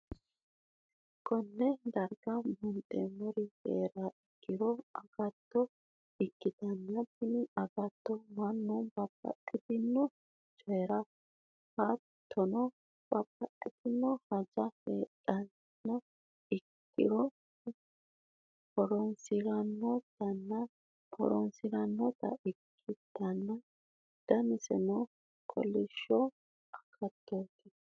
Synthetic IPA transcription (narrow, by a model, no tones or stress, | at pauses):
kʼɔnːɛd̪ɐɾɡɐmʊnt̪ʼemɔɾɪhḛːɾaɪkːɪɾɔɐɡɐt̪ːɔ | ɪkːɪt̪ɐnːɐpːɪnɐɡɐt̪ːɔmɐnːubɐpːɐ̰ʔɪt̪ɪnːɔ | t͡ʃʼeːɾɐ | hɐ | t̪ʰːɔnɔ | b̥ɐpːɐʔɛt̪ɪnːɔhɐd͡ʒɐfetʼɐn | nɔ | ɪkːɪ̰ɾɔ | pɔɾɔnsɪɾɐnːɔt̪ɐnːɐ | pʰɔ̰ɾɔ̰nsɪɾɐnːɔt̪ɐ̰ʔɪkʰːɪd̪̥ɐnːɐ | d̪̥ɐmɪsɛ̰nɔ | kʰɔ̰lːɪʃːɔ | ɐkʰːɐt̪ːoːt̪ɪ